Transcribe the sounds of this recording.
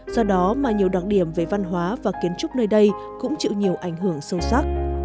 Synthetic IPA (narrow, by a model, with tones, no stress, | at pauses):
z̥ɔ˧ɗɔ˨˦maː˨˩ɲi˨˩əwɗwaː˨˩t̚ɗi˧˩əmve˧˩va˧nɦwaː˨˦vaː˨˩ki˨˦ənt͡ɕʊ˦˥k͡p̚nəː˧jɗə˧j | kʊ̰˧˥ŋ͡mt͡ɕɨ̰˧˨ɲi˨˩əwʔa˧˩jŋ̟ɦɨ˧˩əŋsə˧wsa˦˥k̚